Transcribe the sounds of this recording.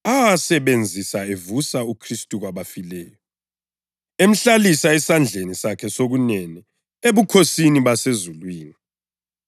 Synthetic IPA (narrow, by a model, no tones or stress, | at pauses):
awasɛβend͡zʱisaevusaukʰristʼuɣwaβafilɛːjɔ | em̩ɬalisaɛsand͡ɮʱenisakʰɛsoɣunɛnɛ | eβukʰosiniβasezulwiːni